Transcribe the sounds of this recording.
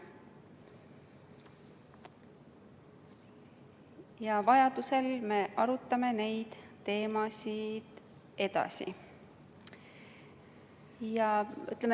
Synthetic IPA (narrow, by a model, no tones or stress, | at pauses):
jɑvɑjɑd̪̥use̞lme̞ʔɑɾut̪ːˑɑme̞ne̞jd̪̥t̪ːe̞ːmɑsʲid̪̥ | e̞d̪̥ɑ̰sḭ | jɑy̰t̪lem